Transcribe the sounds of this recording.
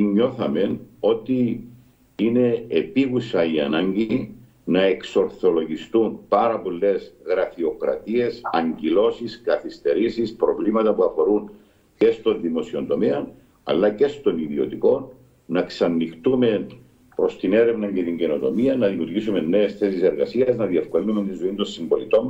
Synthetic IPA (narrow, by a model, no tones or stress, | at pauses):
iɲːo̞θɐme̞no̞t̪i | ine̞ːpiɣusɐiɐ̰nɐɲɟi | nɐe̞kso̞ɾθo̞lo̞ʝist̪umpɐɾɐpo̞lːe̞sɣɾɐfio̞kɾɐ̰t̪ie̞sɐɲɟilo̞siskɐθist̪e̞ɾisispɾo̞vlimɐt̪ɐpuɐfo̞ɾun | ce̞st̪o̞nðimo̞sio̞nt̪o̞meɐn | ɐ̰lːɐce̞st̪o̞niðio̞̰t̪iko̞nː | ɐksɐnːixt̪ume̞ | pɾo̞st̪ine̞ɾe̞vnɐɲɟe̞t̪iɲɟe̞no̞t̪o̞miɐnɐðimut̪isume̞nːe̞ːsθe̞sise̞ɾɣɐsiɐznɐðie̞fko̞linument̪inzoind̪o̞nsimbo̞lit̪o̞n